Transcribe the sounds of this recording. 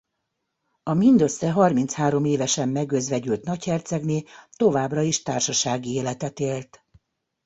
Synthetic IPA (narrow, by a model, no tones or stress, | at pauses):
ɒmind̪ø̞sːɛɦɒrmint̪shaːɾo̞meːvɛʃɛmːɛɡøzʋɛɟylt̪nɒchɛrt̪sɛɡneːt̪o̞vaːbrɒiʃt̪aːrʃɒʃaːɡieːlɛt̪ɛt̪eːlt̪